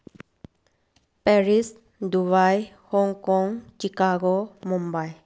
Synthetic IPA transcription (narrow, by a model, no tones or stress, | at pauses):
pɛɾis | d̪uβajhɔŋkɔŋt͡ʃikaɡomumbaj